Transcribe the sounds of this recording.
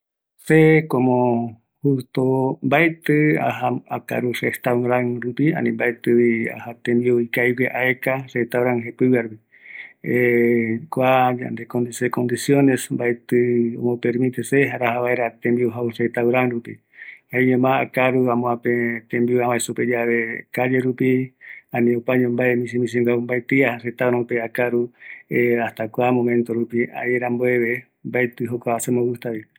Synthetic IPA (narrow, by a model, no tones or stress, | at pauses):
sekomo | hust̪ombaet̪ɨa̰ɦaaka̰ɾurest̪awɾaŋɾupia̰nĩmbaet̪ɨβia̰hat̪ẽmbioikajweʔaekaset̪awɾaŋɦepɨwɨaɾupi | ekʷad͡ʒa̰nd̪ekond̪isekond̪isjonesmbaet̪ɨo̰mõpeɾmĩt̪eseɦaɾahaβaeɾat̪ẽmbiuɦauset̪awɾãnɾupḭ | haeɲõmãakaɾuãmõãpet̪ẽmbiuãβasuped͡ʒaβe̞kad͡ʒeɾupiãnĩopaɲõmbaemĩsĩmĩs̬ĩŋɡambaet̪iahaset̪awɾãpeakaɾueast̪akʷamõ̞mẽ̞nt̪oɾupia̰eɾamboeβe | mbaet̪ɨɦokʷasemowust̪aβi